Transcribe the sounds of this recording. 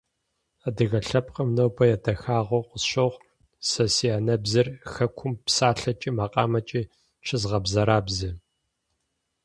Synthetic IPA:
adɨɣɐɬɐp̚ʰʼqʼəmnowpʰɐjɛdʰɐxaːʁʷoqʷʊsɕoʁ | sɐsiaːnɐbzɨrxɐkʷʰʊmpsaːɬɐt͡ʃʼiːmaːqʼɑ̰ːmɐt͡ʃʼiː | ʃɪzʁɐbzɐɾaːbzɨ

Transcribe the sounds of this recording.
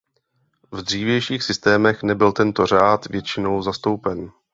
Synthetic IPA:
vd̪r̝iːvjɛjʃiːxsɪst̪ɛːmɛxnɛbɪlt̪ɛnt̪o̞r̝aːt̪vjɛt͡ʃɪno̞wzast̪o̞wpɛn

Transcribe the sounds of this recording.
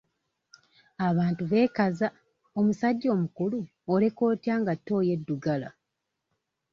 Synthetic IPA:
aβaːntuβe̞ːkaza | omusaɟːo̞ːmukulu | ole̞ko̞ːtjaːŋɡatːo̞ːje̞dːuɡala

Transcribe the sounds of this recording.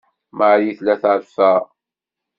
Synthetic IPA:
maʕjiθlæθʕɾfæ

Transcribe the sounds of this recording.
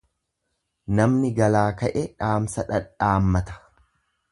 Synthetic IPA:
nɐmnɪɡɐlaːkɐʔɛᶑaːmsɐᶑɐᶑaːmːɐt̪ɐ̥

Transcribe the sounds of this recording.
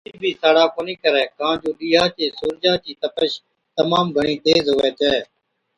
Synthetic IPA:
iːbʱiːsaːɽaːkoːnĩːkəɾɛːkãːd͡ʒoːɗiːɦaːt͡ʃeːsuːɾd͡ʒaːt͡ʃiːt̪əpəʃ | t̪əmaːmɡʱəɳiːt̪eːzɦoːʋɛːt͡ʃɛː

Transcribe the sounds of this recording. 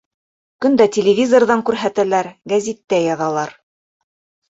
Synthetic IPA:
kɵnd̪ætʲelʲɪvʲizorðɑŋkʉɾɦæt̪ælæɾɡæzʲit̪ːæjɑðɑlˠɑɾ

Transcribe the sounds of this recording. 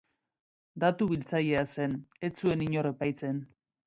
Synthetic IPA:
d̪at̪uβilt͡saje̞ase̞ne̞t͡sue̞niɲo̞re̞pajt͡se̞n

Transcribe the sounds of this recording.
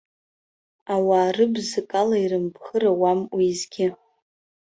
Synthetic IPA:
awaːrɨbzɨkʼalairɨmbχərawamwizɡʲɪ

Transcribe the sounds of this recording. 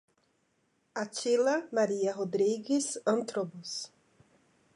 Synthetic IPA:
at͡ʃilɐmaɾiɐɦod̪ɾiɡɪsɐ̃nt̪ɾobus

